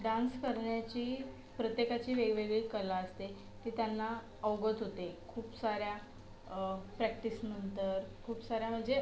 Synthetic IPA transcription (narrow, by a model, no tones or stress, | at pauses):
ɖãnskəɾɳjat͡ɕiː | pɾət̪jekat͡ɕiːʋeɡʋeɡɭiːkəlaəst̪e | t̪iːt̪janːa | əwɡət̪ɦot̪ekʰuːpsaɾja | pɾɛkʈisnənt̪əɾkʰuːpsaɾjam̤əɳd͡ze